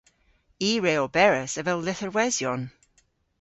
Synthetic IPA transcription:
iːɹeːɔbɛɹəsəvɛlˠlɪθəɹwɛzjɔn

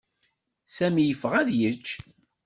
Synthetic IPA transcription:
sæmijəfəʁæðjət͡ʃː

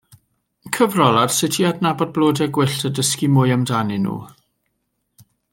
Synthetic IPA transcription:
kʰəvrɔlˠad̥sɪtʰiadnabɔd̚blˠoːdɛɡwɪɬtʰədəskimʊjamdanɨnṵː

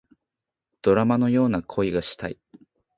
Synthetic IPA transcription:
d̪̥o̞ɾamano̞jo̞ːnakʰo̞iɡaɕi̥t̪ai

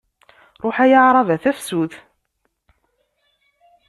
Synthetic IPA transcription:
ɾˤʊħæjəʕɾˤɑvæθæfsuθ

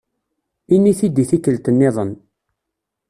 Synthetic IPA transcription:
inːiθid̪iθikːəlt̪ənːɪðˤən

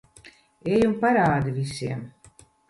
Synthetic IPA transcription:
ejumpaɾaːd̪ivisiɛm

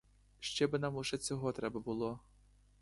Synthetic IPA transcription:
ʃt͡ʃɛbɪnɑmuʒɛt͡sʲɔɦɔt̪ɾɛbɐbʊlˠɔ

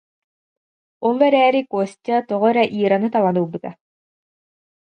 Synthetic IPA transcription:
ɔlˠɛɾɛːɾikɔst̪ʲat̪ɔʁɔɾɛʔiːɾanɯt̪alˠanuːbɯt̪a

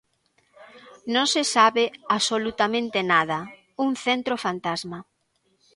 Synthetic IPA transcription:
nõŋsɪsaβeaβsolut̪amẽnt̪enað̞ɐ | uŋθent̪ɾofant̪azma

